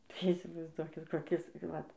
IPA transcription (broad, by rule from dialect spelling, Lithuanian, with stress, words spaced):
tɐɪ iːsʲɪʋɐɪzˈduɔkʲɪt koːˈkʲɪs ˈʋɐt